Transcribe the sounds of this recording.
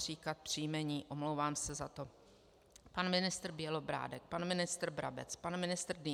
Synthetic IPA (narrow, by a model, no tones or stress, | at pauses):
r̝iːkat̪̚pr̝̥ijmɛɲiːʔo̞mlowvaːmsɛzat̪o̞ | panmɪnɪst̪r̩bjɛlo̞bɾa̰ːdɛk̚panmɪnɪst̪r̩bɾa̰bɛ̰t͡spanmɪnɪst̪rd